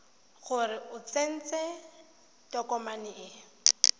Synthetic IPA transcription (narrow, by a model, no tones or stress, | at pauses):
ɣʊrɪʊt͡sen̩t͡sɛ | tɔkɔmanɪɪ